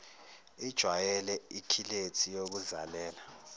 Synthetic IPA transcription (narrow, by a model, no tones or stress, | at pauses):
id̥ʒ̥ʱwajɛlɛikʰiletʰijok̬uzalɛːla